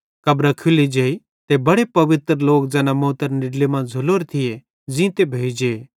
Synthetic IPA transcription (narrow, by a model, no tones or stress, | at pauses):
kɐbɾakʰulid͡ʒeːi | t̪ebɐɽepɐʋɪt̪ɾloːkd͡zɛːnamõːt̪əɾnɪɽlemãːd͡zʱʊloːɾet̪ʰɪje | d͡zĩːt̪ebʱeːid͡ʒee